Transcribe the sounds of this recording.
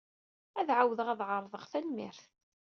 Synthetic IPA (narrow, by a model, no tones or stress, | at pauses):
æðʕawðəʁæðʕəɾˤðˤəʁθælmɪɾθ